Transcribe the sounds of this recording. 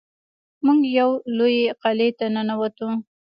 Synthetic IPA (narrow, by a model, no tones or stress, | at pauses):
muŋɡjawlojeqalet̪anənawat̪u